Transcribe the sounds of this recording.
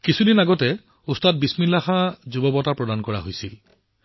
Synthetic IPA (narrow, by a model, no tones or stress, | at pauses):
kisʰudinaɡɔtɛ | ustat̚bisminlaxazubɔbɔtapɹɔdankɔɹa̰ɦojsil